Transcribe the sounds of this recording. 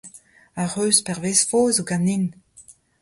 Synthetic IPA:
aʁøːspɛʁvesfoːzoɡanin

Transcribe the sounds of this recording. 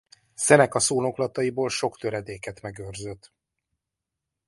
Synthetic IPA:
sɛnɛkɒsoːno̞klɒt̪ɒjiboːlʃo̞kt̪øɾɛd̪eːkɛt̪mɛɡørzøt̪ː

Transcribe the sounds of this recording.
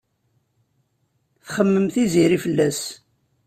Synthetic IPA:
θχəmːəmθiziɾifəlːæs

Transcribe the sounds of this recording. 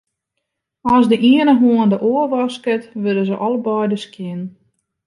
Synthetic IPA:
ɔsdəʔiənəmoəndəʔoərʋɔskətʋødəzəʔɔlˠbɔjdəskjɪn

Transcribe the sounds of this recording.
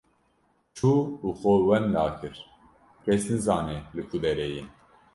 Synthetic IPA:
t͡ʃʰuːuxowɛnd̪ɑːkʰɨɾ | kʰɛsnɨzɑːnelɨkʰud̪ɛɾɛjin

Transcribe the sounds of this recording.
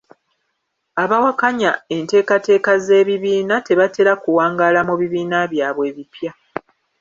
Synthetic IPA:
aβawakaɲae̞nte̞ːkate̞ːkaze̞ːβiβiːnate̞βate̞ɾakuwaːŋɡalamuβiβiːnaβjaːβwe̞ːβipja

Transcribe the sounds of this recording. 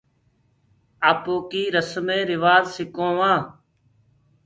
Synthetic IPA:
aːpoːkiːɾəsmẽːɾɪʋaːzsɪkõːʋãː

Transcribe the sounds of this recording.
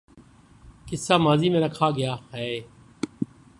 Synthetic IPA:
kɪsːaːmaːziːmẽːnəkʰaːɡɪjaːɦɛ

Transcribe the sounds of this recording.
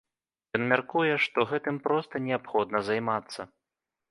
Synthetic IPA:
jɔnmʲarkujɛʂt̪ɔɣɛt̪ɨmpɾɔst̪ɐnʲɛapxɔd̪̚nɐzajmat̪sːɐ

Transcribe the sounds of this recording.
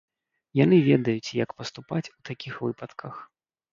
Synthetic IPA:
jan̪ɨvʲɛd̪ɐjut͡sʲjɐkpɐst̪upat͡sʲut̪akʲixvɨpɐt̪kʰɐx

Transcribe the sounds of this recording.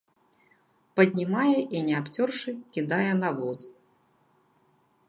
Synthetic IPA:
pɐd̪ʲnʲimajɛʔinʲɛapt͡sʲɔrʂɨkʲid̪ajɛnavɔz

